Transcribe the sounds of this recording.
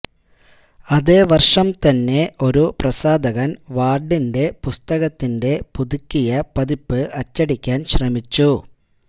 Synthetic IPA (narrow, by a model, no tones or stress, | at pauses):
ɐðe̞ːʋɐrʂɐmt̪ɐnːe̞o̞ɾuprɐsaːd̪ɐɣɐnʋaːrɖinde̞pust̪ɐɣɐt̪ːinde̞puðukʲːijɐpɐðipːɨʔɐt͡ɕːɐɽikʲːaːnɕrɐmit͡ɕːu